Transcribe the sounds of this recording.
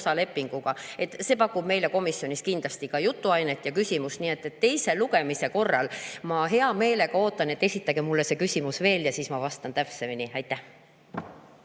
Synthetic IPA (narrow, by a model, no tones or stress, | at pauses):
sɑle̞pːiŋɡ̥uɡ̥ɑe̞t̪ːse̞ːpɑkːˑub̥me̞jle̞ko̞misjo̞nʲiskind̪̥lɑst̪ikɑjut̪ːuɑjne̞t̪ːˑjɑkysʲimust̪nie̞t̪ːˑe̞t̪ːe̞jse̞luɡe̞mise̞ko̞rːɑ̰lmɑɦe̞ɑme̞ːle̞ɡ̥ɑo̞ːt̪ːˑɑne̞t̪ːe̞sit̪ːˑɑɡemulːese̞kysʲimusve̞ːljɑsiːsmɑvɑst̪ɑnt̪æpsevenʲiɑjt̪ːˑæh